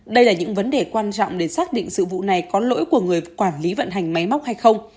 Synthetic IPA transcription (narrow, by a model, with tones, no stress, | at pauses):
ɗə˧jlaː˨˩ɲɨ̰˧˥ŋvə˨˦nɗe˨˩kwaː˧nt͡ɕɔ̰˧˨wŋ͡mɗe˧˩saː˦˥k̚ɗḭ˧˨ŋ̟sɨ̰˧˨vṵ˧˨na˨˩jkɔ˨˦lo̰˧˥jku˧˩əŋɨ˨˩əjkwaː˧˩nli˨˦və̰˧˨nɦa˨˩jŋ̟ma˨˦jma˦˥k͡p̚ha˧jxə˧wŋ͡m